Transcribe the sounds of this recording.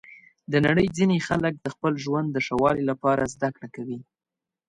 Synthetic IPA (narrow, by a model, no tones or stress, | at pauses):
d̪ənaɽəjd͡zinexalək̚d̪əxpəlʒwand̪ːəʂawɑlilapɑɾazd̪akɽakawi